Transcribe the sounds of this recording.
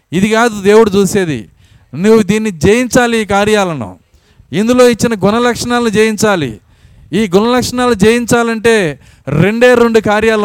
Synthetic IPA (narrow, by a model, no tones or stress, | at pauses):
id̪ikaːd̪ud̪e̞ːwuɽut͡ʃuːse̞ːd̪ḭ | nuwːud̪iːnːid͡ʒeːjiɲt͡ʃaːliːkaːɾjaːlɐnṵ | ind̪ulo̞ːit͡ʃːinɐɡunɐlɐkʂɐɳaːlɐnid͡ʒeːjiɲt͡ʃaːlḭ | iːɡunɐlɐkʂɐɳaːlud͡ʒeːjiɲt͡ʃaːlɐɳʈe̞ː | ɾe̞ɳɖe̞ːɾe̞ɳɖukaːɾjaːlɐ